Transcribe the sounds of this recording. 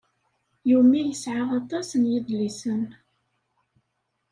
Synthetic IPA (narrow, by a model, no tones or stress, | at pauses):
jumːæjəsʕaʁɑt̪ˤɑsənjiðlisən